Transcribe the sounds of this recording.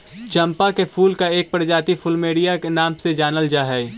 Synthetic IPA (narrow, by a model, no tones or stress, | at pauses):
t͡ʃɐ̃mpakepʰuːlkaeːk̚pəɾd͡ʒaːt̪ifʰʊlmeːɽijakenaːmsed͡ʒaːnəld͡ʒaːɦɛ